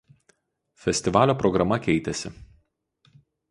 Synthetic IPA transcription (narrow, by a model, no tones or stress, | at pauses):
fʲɛsʲt̪ʲɪʋɑːlʲoːpɾɔɡɾɐmɐkʲɛɪt̪ʲɛsʲɪ